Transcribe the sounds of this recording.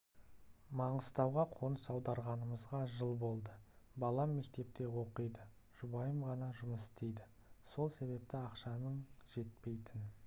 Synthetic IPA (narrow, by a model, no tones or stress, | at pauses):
mɑɴəst̪ɑwʁɑqʰo̞nəsɑwd̪ɑɾʁɑnəməzʁɑʒəlˠbo̞lˠd̪əbɑlˠɑmːe̞k̚t̪e̞p̚t̪e̞wo̞qəjd̪ə | ʒ̥ʊbɑjəmʁɑnɑʒʊməsɪt̪e̞jd̪ɪ | so̞lˠse̞βe̞p̚t̪ɪɑqʃɑnəɴʒ̥e̞t̪̚pe̞jt̪ɪn